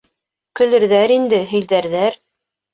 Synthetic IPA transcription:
kɵ̆lɘ̆ɾðæɾind̪ɘɦɘ̆jðæɾðæɾ

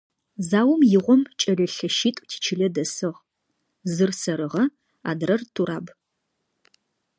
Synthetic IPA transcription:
zaːwʊmjɪʁʷɔmt͡ʃʼɐɮɐɬɐʃiːtʼtʰi̥ːt͡ʃʰɪɮɐdɐsɨʁ | zɨrsɐɾɨʁɐ | a̰ːdrɐrtʰuɾaːb

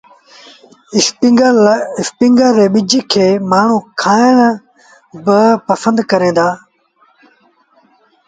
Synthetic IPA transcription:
ɪspɪ̃ŋɡəɾːeːɓɪd͡ʒkʰeːmaːɳ̤ũːkʰaːɪɽ | bəpɐsə̃nd̪kɐɾẽːnd̪aː

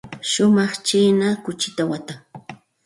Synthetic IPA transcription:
ʃʊmɑχt͡ʃiːnakʊt͡ʃɪt̪awat̪aŋ

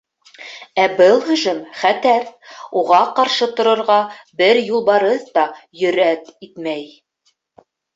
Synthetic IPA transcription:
æbɤlˠhɵ̆ʒɘmχæt̪æɾuʁɑqɑɾʃɤt̪ŏɾɤ̆ɾʁɑbɘɾjulˠbɑɾɤðt̪ɑjɵ̆ɾæt̪it̪mæj

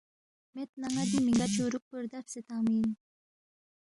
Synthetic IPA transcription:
met̪naŋad̪imiŋɡat͡ʃuɾuk̚pəɾd̪afset̪aːmiːn

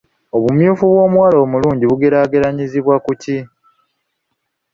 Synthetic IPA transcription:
o̞βumjuːfuβwo̞ːmuwaːlo̞ːmuluːɲɟiβuɡe̞ɾaːɡe̞ɾaɲiziβwakuci

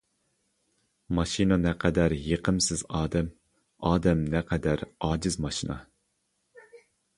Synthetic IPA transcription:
mɑʃinɑnɛqʰɛd̪æɾjeqʰəmsɪzɑːd̪ɛm | ɑːd̪ɛmnɛqʰɛd̪æɾɑːd͡ʒɪzmɑʃinɑ̰

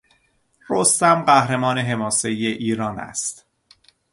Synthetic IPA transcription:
ɾost̪æmɢæhɾemɒːne̞ɦe̞mɒːse̞ijeʔiːɾɒːnæ̰st̪

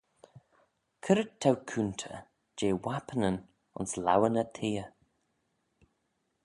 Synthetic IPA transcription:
kʰəɾət̪ʰːawkʰunt̪ʰə̰ | d͡ʒeːwapʰənən | ʊ̰nsla̰wənət̪ʰeːə

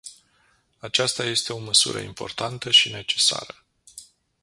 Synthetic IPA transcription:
at͡ʃast̪aje̞st̪e̞o̞məsṵɾə̰impo̞̰rt̪ant̪əʃine̞t͡ʃe̞̥sa̰ɾə

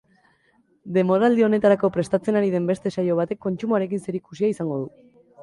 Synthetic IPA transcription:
d̪e̞mo̞ɾald̪io̞ne̞t̪aɾako̞pɾe̞st̪at͡se̞naɾiðe̞mbe̞st̪e̞sajo̞β̞at̪e̞kːo̞nt͡ʃumoaɾe̞k̬inse̞ɾikusiaisaŋɡo̞ð̞u

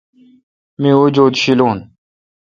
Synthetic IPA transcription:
mĩːoːd͡ʑoːd̪ɕiloːn

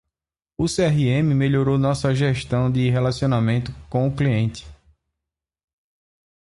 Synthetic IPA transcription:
ʊseɛɦiẽmɪmeʎoɾownɔsɐʒɛʃt̪ɐ̃w̃d̪ɪɦelasiõnamẽnt̪ʊkõw̃ʊkliẽnt̪ɪ̥

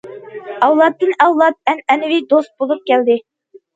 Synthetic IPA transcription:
ɑwlˠɑt̪ːɨnɑwlˠɑt̪̚ɛnɛnɪvid̪ost̪̚bolˠup̚kʲɛld̪ɪ

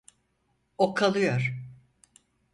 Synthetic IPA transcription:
okʰalˠɯjoɾ̥

